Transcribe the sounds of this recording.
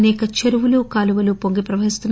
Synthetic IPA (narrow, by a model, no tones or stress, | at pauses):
nɛːkɐt͡ʃeɾuʋulukaːluʋɐlupo̞ŋɡipɾɐʋɐɦist̪unː